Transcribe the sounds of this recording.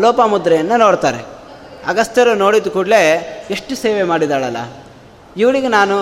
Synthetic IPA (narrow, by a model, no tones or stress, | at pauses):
loːpɐmud̪ɾɛjɐnːɐnoːɽt̪aːɾeɐɡɐst̪jɐɾɐno̞ːɽid̪ːukuːɽle̞eʂʈuseːʋemaːɽid̪aːɭɐlːɐ̰ | iʋɐɭiɡenaːnu